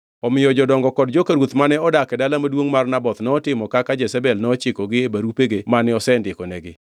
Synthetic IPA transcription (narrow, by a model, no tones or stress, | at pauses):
ɔmɪjɔd͡ʒɔdɔŋɡɔkɔdd͡ʒɔkaɾwot̪manɛɔdakɛdalamadwoŋmarnabɔt̪nɔtɪmɔkakad͡ʒɛsabɛlnɔt͡ʃɪkɔɡɪebaɾupeɡemanɪɔsɛndɪkɔnɛɡɪ